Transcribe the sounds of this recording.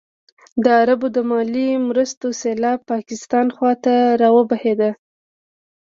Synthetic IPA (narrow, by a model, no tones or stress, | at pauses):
d̪əaɾabod̪əmɑlimɾəst̪oselɑb̚pːɑkɪst̪ɑnxwɑt̪aɾɑwəbahed̪a